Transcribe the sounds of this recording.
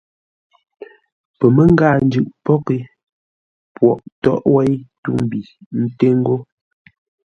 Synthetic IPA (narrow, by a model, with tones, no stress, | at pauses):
pɛ˨me˦ŋ˦ɡaː˦˨n̩˨˦d͡ʒʉ˨ʔpɔ˦ke˨ | pwɔ˨ʔtɔ˦ʔwɛ˦jtu˦˨m˨bi˨n̩˦te˦ŋ̩˦ɡo˦